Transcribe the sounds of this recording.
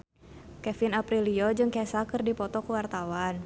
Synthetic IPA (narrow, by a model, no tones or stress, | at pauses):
kɛfinapɾiliod͡ʒɨŋkɛsakɨrdipɔt̪ɔkuwart̪awan